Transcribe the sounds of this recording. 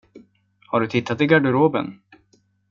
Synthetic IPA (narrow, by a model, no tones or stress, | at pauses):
haɖɵt̪ʰɪt̪ʰːat̪ɪɡaɖɵɾoːbə̰n